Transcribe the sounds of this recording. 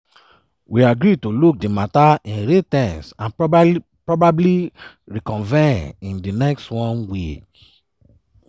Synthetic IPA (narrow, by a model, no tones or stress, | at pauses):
wiaɡɾitoluk̚dimataĩnɹetɛ̃nsãn | pɹɔbabli | ɹikɔ̃nvɛ̃nĩndinɛkstwɔ̃nwi